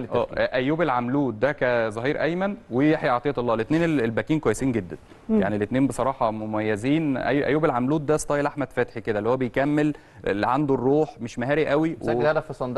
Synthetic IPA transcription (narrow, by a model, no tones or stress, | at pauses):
ʔæːʔæjːuːbelʕamluːt̪̚d̪ækæzˤɑɦiːɾʔæjmænwejeħjʕɑt̪ˤejɑt̪ɑlːɑːlʔet̪neːnelelbækiːnkwæjːesiːnɡed̪ːæn | a̰ʕnilet̪neːmbesˤɑɾˤɑːħɑmomæjːæziːnʔæ̰jːʔæ̰jːuːbelʕamluːt̪̚d̪æst̪ɑːjelʔaħmæd̪fæt̪ħiked̪ælːihowːæbejkæmːel | ʕand̪orːuːħmeʃmæɦæːɾiʔæwiwlhæd̪æfisˤɑnd̪